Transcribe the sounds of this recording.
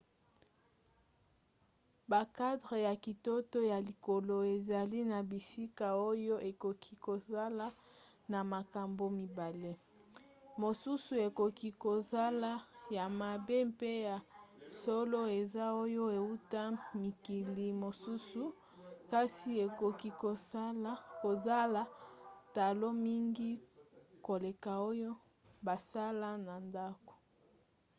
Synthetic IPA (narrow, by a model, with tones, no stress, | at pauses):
ba˨ka˦dʁe˨ja˨ki˨to˦to˦ja˨li˨ko˨lo˨e˨za˨li˦na˨bi˨si˦ka˨o˦jo˦ʔe˨ko˨kʰi˦ko˨za˦la˦ | na˨ma˨ka˨mbo˨mi˨ba˨le˦ | mo˨su˦su˨e˨ko˨ki˦ko˨za˦la˦ja˨ma˨be˦mpe˦ja˨so˦lo˦e˨za˦o˦jo˦e˨u˦ta˦mi˨ki˨li˨mo˨su˦su˨ | ka˦si˨e˨ko˨ki˦ko˨˦ | ko˨za˦la˨ta˨lo˦mi˦ŋɡi˦ko˨le˨ka˨o˦jo˦ | ba˨sa˦la˦na˨nda˦ko̥˨